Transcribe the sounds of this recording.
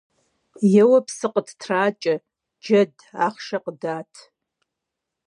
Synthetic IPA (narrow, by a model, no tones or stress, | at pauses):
jɛwɐpʰsɨqʼətʰtʰraːt͡ʃʼɐ | d͡ʒɐd | aχʃɐqʼdaːtʰ